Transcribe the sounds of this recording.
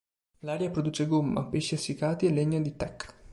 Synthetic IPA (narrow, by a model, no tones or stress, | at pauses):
laːɾjapɾod̪uːt͡ʃeɡomːa̰peʃːiasːikaːt̪ielːeɲːad̪it̪ɛkː